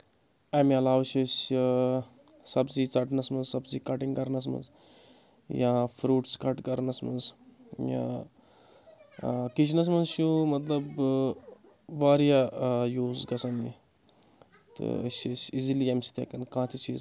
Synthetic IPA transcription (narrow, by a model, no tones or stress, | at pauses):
emiɐlaːʋt͡ʃɐsʲ | sɐbziːt͡sɐʈnɐsmɐnzsɐbziːkɐʈiŋkɐɾnɐs̬mɐ̰nz | jãːfʰɾuːʈskɐʈkɐɾnɐsmɐ̰nzjã̰ː | kit͡ʃʰnɐs̬mɐnzʃumɐt̪lɐb | ʋaːɾjajuːzɡɐsɐnḭ | t̪ɨ̰ə̰sɐsʲiziliemsi̥t̪ʰḛkɐnkãːt̪ʲʰit͡ʃʰis